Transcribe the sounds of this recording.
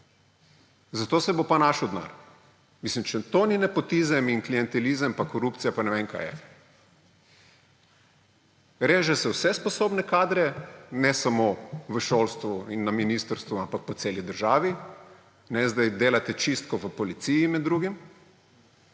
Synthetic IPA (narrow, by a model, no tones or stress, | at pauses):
zat̪oːsɛbopanaʃɔd̪na̰ːɾ | mislimt͡ʃɛt̪oninɛpɔt̪izəmiŋklijɛnt̪ɛlizəmpakɔɾup̪sijapanɛʋeːnka̰ːjɛ̰ | ɾeːʒɛsɛwsɛspɔsoːbnɛkaːd̪ɾɛnɛsamoːʋəʃolst̪ʋuinːaminist̪əɾst̪ʋuampak̚pɔt̪seːlid̪əɾʒaːʋi | nɛzd̪ajd̪eːlat̪ɛt͡ʃist̪̚kɔʋəpɔlit̪sijimɛd̪ːɾuɡim